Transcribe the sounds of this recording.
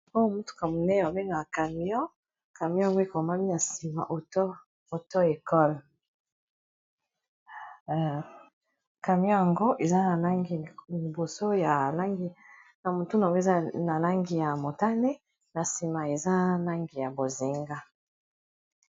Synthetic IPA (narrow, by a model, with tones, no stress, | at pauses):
o˦˨mu˦tu̥˨ka˨mu˨ne˦n˨wa˨be˦ŋa˨ka˨mi˦ɔ̃˦ | ka˨mjɔ̃˦ja˨ŋɡo˦e˦˨ko˨ma˦mi˦na˨si˨ma̰˨ʔo˨to˦ | o˨to˦e˨kɔ˦l | ka˨mjɔ̃˦ja˨ŋɡo˦ʔe˨za˦na˨la˦ŋɡi˨li˨bo˨so˦ja˨la˦ŋɡi˦ | na˨mo˨tu˦na˨ɡo˦˨a˦na˨la˦ŋɡi˨ja˨mo˨ta˦ne˦ | na˨si˨ma˨e˨za˦na˦ŋɡi˨ja˨bo˨zi˨ŋɡa˦